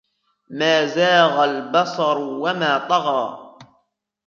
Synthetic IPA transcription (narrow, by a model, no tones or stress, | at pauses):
maːzaːɣalbɑsˤɑɾˤwamaːt̪ˤɑɣɑː